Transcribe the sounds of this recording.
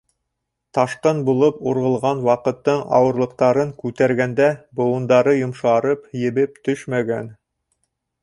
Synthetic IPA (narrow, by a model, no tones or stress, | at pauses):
t̪ɑʃqɤnbulˠɤpuɾʁɤ̆lˠʁɑnwɑqɤ̆t̪ːɤɴɑ̰wɤ̆ɾlˠɤ̆q̚t̪ɑɾɤŋkʉt̪æɾɡænd̪æbŏw̪ˠɤ̆nd̪ɑɾɤjŏmʃɑɾɤpjɘ̆βɘp̚t̪ɵʃmæɡæn